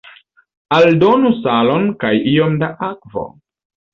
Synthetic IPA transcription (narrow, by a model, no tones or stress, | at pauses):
aldo̞nusalo̞nkajio̞mdaʔakvo̰